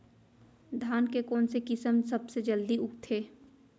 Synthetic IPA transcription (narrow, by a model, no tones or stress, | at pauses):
d̪ʱaːnkekoːnsekɪsəmsɐbsed͡ʒəld̪iʊkt̪ʰeː